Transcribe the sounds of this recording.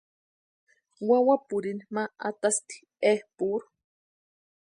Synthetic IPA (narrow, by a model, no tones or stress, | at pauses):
wawapuɾinmaat̪ast̪i̥ | ehpuɾu̥